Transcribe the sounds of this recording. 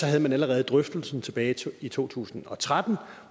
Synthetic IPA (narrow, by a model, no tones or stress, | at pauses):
sɒɦæð̞̩ˠmænæləʁɛːð̞̩ˠd̥ʁœfd̥l̩sn̩t͡sʰe̝b̥ɛːɪit͡sʰo̝̰ːt͡sʰṵːsn̩ɒ̽t͡sʰʁad̥n̩